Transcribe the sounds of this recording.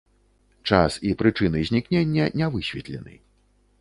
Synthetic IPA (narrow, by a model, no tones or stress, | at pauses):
t͡ʂa̰sipɾɨt͡ʂɨnɨzʲnʲiknʲenʲːɐnʲɛvɨsʲvʲɛt̪lʲɛnɨ̰